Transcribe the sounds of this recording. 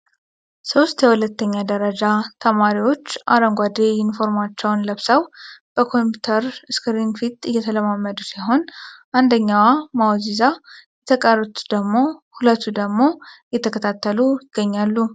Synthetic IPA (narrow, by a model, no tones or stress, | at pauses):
so̞st̪jɛhulət̪ːəɲːad̪əɾəd͡ʒat̪ʰəmaɾiwo̞t͡ʃːʔa̰ɾəŋɡʷad̪ejɪnfo̞ɾmat͡ʃːɛwnləβsəwb̥əkʰo̞mpu̥t̪ʰəɾɨskʰɾinfit̪ɨjːɛt̪ʰələmamːəd̪usaɦo̞nʔand̪əɲːawamawzizajɛt̪ʰəkʼərət̪ud̪̥əɡmo̞hulət̪ːud̪əɡmo̞jɛt̪ʰəkʰət̪ʰat̪ʰːəluɪɡ̥ːəɲːalːu